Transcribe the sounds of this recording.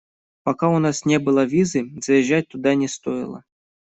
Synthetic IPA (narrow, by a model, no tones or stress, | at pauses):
pakaunasnʲɛbɨlˠɐvʲizɨzɐjɛʒːat͡s̚ʲt̪ud̪anʲɛst̪ɔjɪ̰lˠɐ̰